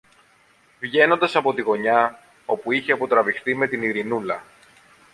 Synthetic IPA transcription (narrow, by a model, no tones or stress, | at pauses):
vʝe̞no̞nd̪ɐsɐpo̞t̪iɣo̞ɲɐ | o̞puiçe̞ɐpo̞t̪ɾɐvixθime̞t̪iniɾinulɐ